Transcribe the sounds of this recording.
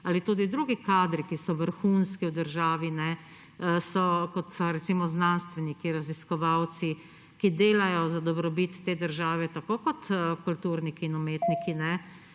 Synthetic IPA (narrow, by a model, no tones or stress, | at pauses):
alit̪uːd̪id̪ɾuɡikaːd̪ɾikisɔʋəɾxuːnskiwd̪əɾʒaːʋinɛ | sɔkɔt̪sɔɾɛt̪simɔznanst̪ʋɛnikiɾaziskɔʋaw̪si | kid̪eːlajɔzad̪ɔbɾɔbit̪ːeːd̪əɾʒaːʋɛt̪akoːkɔt̪kult̪uːɾnikiːnumeːt̪nikinɛ